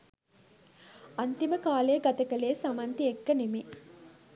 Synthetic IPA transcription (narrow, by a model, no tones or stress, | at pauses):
ant̪iməkaːleːɡɐt̪əkəleːsamant̪iekːənemi